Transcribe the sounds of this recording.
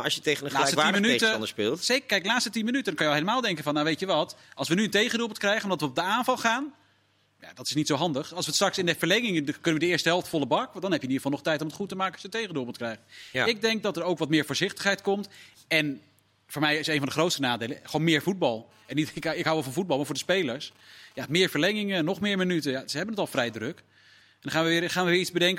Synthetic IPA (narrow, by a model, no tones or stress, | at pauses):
ɑ̰ʃjətejχənəlaːsətːimmənytənəspɪːlˠsejkəkɛjklaːtstətinmənytədɑŋkɑnjʋɛlˠɦejləmaːlˠdɛŋkənvɑnːawʋejtəʋɑtɑlˠsʋənyəntejχəndulˠbmətkrɛjχənɔmdɑtʋəɔb̚dəaːnvɑlˠχaːn | ja̰dɑtɪsnitsowɦɑndəχɑlˠsʋətstrɑksɪndəv̥əɹlɛjŋɪŋəkɵnənʋədəɪːɹstəɦɛlˠftfɔlˠəbɑkdɑnɦɛpjənidəvɑlˠnɔχtɛjtɔmətχutəmaːkənɑsjəntejχənduːlˠbətkrɛjχɪɡ̚dɛŋk̚dɑtəɹowkʋɑtmɪːɹvʊːɹzɪχtəχɦɛjtkɔmt | ɛn | vʊːɹmɛjɪsejnvɑndəχrowtstənaːdejləχəonmɪːɹvud̚bɑlˠ | ɛnikɪkɦawʋɛlˠvɑnvud̚bɑlˠmaːɹvʊːɹdəspejləɹs | jamɪːɹvəɹlɛŋɪŋənɔχmɪːɹmənytəjasəɦɛbənətɑlˠfrɛjdrɵk | ɛndχaːnʋəʋɪːχaːnʋəʋɪːɹizbədɛŋk